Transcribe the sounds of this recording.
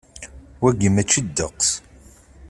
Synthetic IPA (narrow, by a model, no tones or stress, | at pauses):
wæɡəmæt͡ʃːəd̪ːəqːs